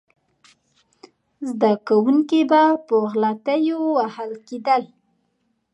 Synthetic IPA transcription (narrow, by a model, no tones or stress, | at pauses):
zd̪akawuŋkebapəɣlat̪əjowahalked̪əl